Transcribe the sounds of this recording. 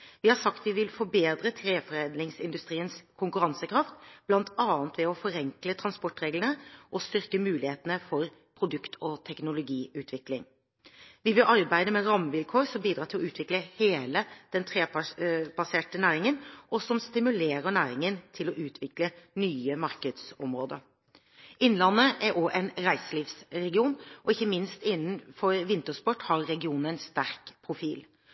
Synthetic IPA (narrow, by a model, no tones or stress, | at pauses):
ʋɪhɑɾsɑkt̪ʋɪʋɪlfɔbeːd̪ɾət̪ʰɾeːfɔɾeːnlɪŋsɪnd̪ʉst̪ɾiːənskʰʊŋkʉɾɑnsəkʰɾɑft̪b̥lɑnt̪ɑːənt̪ʋɛɔfɔɾɛŋklət̪ʰʁɑnspɔʈɾeːɡlənəʔɔst̪ʏɾkəmʉːlɪheːt̪ənəfɔɾ | pʰɾʊd̪ʉkt̪ʰɔt̪ʰɛknʊlʊɡiːʉːt̪ʰʋɪklɪŋ | ʋɪʋɪlʔɑɾbæɪd̪əmɛɾɑmːəʋɪlkʰoːɾsɔmbiːd̪ɾɑːt̪ʰɪlɔʉːt̪ʰʋɪkləheːləd̪̥ɛnt̪ʰɾeːpb̥ɑseːʈənæːɾɪŋənʔɔsɔmst̪ɪmʉleːɾəɳæːɾɪŋənt̪ʰɪlɔʔʉːt̪ʰʋɪklənyːəmɑɾkəd̪sɔmɾoːd̪ə̰ɾ | ɪnlɑnːəʔæɾʔoːʔɛnɾæɪsəliːfsɾɛɡɪuːnʔɔɪçːəmɪnst̪ɪnːnfɔɾʋɪnt̪əspɔʈːhɑɾːɛɡɪuːnəɛnst̪æɾkpʰɾʊfiːl